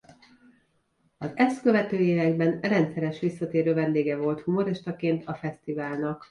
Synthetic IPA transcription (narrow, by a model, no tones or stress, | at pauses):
ɒzɛst̪kø̞vɛt̪øːeːvɛɡbɛnrɛnt̪sɛɾɛʃʋisːɒt̪eːɾøːvɛnd̪eːɡɛvo̞lt̪humo̞ɾɛʃt̪ɒkeːnt̪ɒfɛst̪ivaːlnɒk